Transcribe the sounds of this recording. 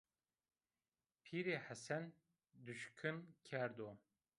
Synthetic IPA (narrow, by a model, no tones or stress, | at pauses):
pʰiːɾeːħæsɛn | d̪uʃkʰɨnkʲʰɛɾd̪oː